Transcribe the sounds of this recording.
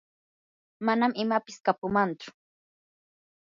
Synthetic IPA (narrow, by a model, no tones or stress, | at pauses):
manamɪmapɪskapʊmant͡ʃʊ̥